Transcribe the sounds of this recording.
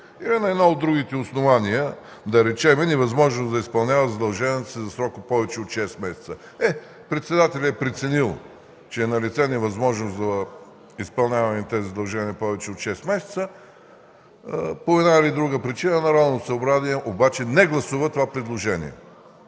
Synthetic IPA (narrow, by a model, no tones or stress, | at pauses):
ilinɐɛd̪nɔod̪ːɾuɡit̪ɛosnovaniə | d̪ɐɾɛt͡ʃɛmɛnɛvɐzmɔʒnosd̪ɐispɐlˠnʲavəzɐd̪ɐlˠʒɛvɛt̪sizɐsɾɔkəpɔvɛt͡ʃɛot̪ʃɛst̪mɛsʲɛ̥t̪sə | ɛ | pɾɛt̪sɛd̪at̪ɛlʲɛpɾɛt̪sɛnilˠ | t͡ʃɛːnɐlʲit̪sɛnɛvɐzmɔʒnosd̪ɐ | ispɐlˠnʲavɐnɛt̪ɛzizɐd̪ɐlˠʒɛniəpɔvɛt͡ʃɛot̪ʃɛst̪mɛsʲɛ̥t̪sə | poɛd̪nailid̪ɾuɡəpɾit͡ʃinənɐɾanosɐobɾaziɛʔobat͡ʃɛnɛɡlˠɐsuvət̪ovapɾɛd̪lˠoʒɛnʲḭɛ̰